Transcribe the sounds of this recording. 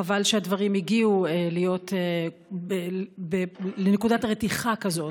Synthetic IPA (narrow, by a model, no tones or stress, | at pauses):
avalʃeadvaʁimiɡiuelijo̞te | bebelene̞kudatʁetiχakazo̞t